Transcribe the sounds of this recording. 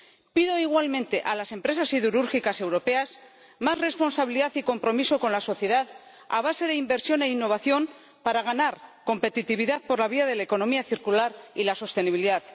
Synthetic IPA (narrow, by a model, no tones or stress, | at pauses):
piðo̞iɣwalmẽnt̪e̞ʔalase̞mpɾe̞sasiðuɾuɾxikase̞wɾo̞pe̞as | mazre̞spo̞nsaβiliðaθiko̞mpɾo̞miso̞ko̞nlaso̞θje̞ðað | a̰β̞ase̞ðe̞imbe̞ɾsjo̞ne̞inːo̞β̞aθjo̞m | paɾaɣ̞anaɾko̞mpe̞t̪it̪iβ̞iðaðpo̞ɾlaβ̞iað̞e̞laeko̞no̞miaθiɾkulaɾilaso̞st̪e̞niβiliðaθ